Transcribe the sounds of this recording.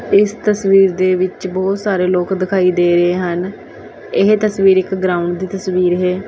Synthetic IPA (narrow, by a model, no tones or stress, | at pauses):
ɪst̪əsʋiːɾd̪eːʋɪt͡ʃbɔːt̪saːɾeːloːkd̪ɪkʰaːiːd̪eːɾəeːɦən | ɪɦt̪əsʋiːɾɪkɡɾaːʊɳɖd̪iːt̪əsʋiːɾɦɛː